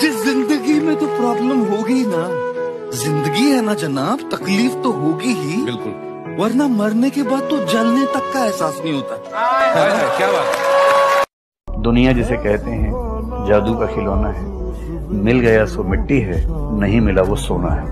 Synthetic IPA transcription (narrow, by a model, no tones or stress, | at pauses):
d͡ʒɪszɪ̃nd̪əɡimẽt̪opɾaːbləmɦoːɡina | zɪ̃nd̪əɡiɦɛnad͡ʒɐnaːbt̪ɐkliːft̪oɦoːɡiɦibɪlkʊl | ʋɐɾnamɐɾnekebaːd̪̚t̪od͡ʒɐlnet̪ɐkːaɛɦsaːsnɐɦĩɦoːt̪aɦɛɦɛajabaːt̪ | d̪ʊnijad͡ʒɪsekɛɦt̪eɦɛ̃d͡ʒaːd̪ukakʰɪloːnaɦɛ | mɪlɡɐjasomɪʈːiɦɛːnɐɦĩmɪlaʋosoːna̰ɦɛː